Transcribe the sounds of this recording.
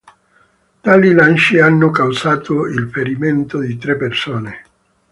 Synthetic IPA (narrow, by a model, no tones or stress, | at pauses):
t̪aːlilanʃianːokawsaːt̪ʰoilfeɾiment̪od̪it̪ɾepːersoːne